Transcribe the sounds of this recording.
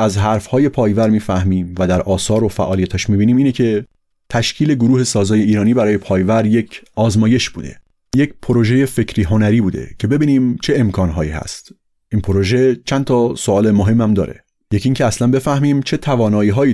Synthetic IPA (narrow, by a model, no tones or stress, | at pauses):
ʔæzɦæɾfhɒːje̞pʰɒːjvæɾmiːfæhmiːmvæd̪æɾʔɒːsɒːɾofæ̰ʔɒːlijæt̪ʰæʃmiːbiːniːmiːnecʰe̞ | t̪ʰæʃcʰiːle̞ɡoɾuːhe̞sɒːzɒːje̞iːɾɒːniːbæɾɒːje̞pʰɒːjvæɾje̞cʰʔɒːzmɒːje̞ʃbuːd̪e̞̰ | jecpʰoɾo̞ʒe̞je̞fe̞cʰɾiːɦo̞næɾiːbuːd̪ḛcʰe̞be̞biːniːmt͡ʃʰe̞emkʰɒːnɦɒːiːhæ̰st̪ | ʔiːnpʰoɾoʒe̞t͡ʃʰænt̪ʰɒːsoɒːlemoɦe̞mːæmd̪ɒ̰ːɾe̞̰ | jeciːŋcʰeæslænbe̞fæhmiːmt͡ʃʰe̞t̪ʰævɒːnɒːiːɦɒːiː